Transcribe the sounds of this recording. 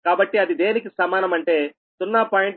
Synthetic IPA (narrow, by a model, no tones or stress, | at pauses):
kaːbɐʈːiɐd̪id̪e̞ːnikisɐmaːnɐmɐɳʈe̞ː | sunːɐːpaːjiɳ